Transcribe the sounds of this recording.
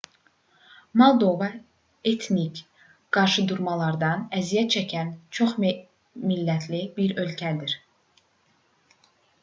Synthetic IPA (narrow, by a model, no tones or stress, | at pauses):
mɑlˠd̪o̞vɑ | et̪ʰnic | ɡ̥ɑɾʃɯd̪uɾmɑlˠɑɾd̪ɑnæzijæt͡ʃʰæcʰænt͡ʃʰo̞χ | milːæt̪ʰlibiɾø̞lcʰæd̪iɾ